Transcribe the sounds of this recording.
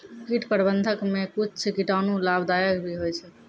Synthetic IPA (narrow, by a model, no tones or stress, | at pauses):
kiʈpəɾbənd̪ʱəkmekut͡ʃʰt͡ʃʰkiʈanulabd̪ajəkbʱiɦojt͡ʃʰɛ